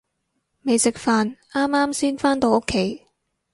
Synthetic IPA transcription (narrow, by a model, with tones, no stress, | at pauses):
me˨˧jsɪ˨k̚faː˨˧naː˥maː˥msiː˥nfaː˥nt̪o˧wo˥kʰːe˨˥j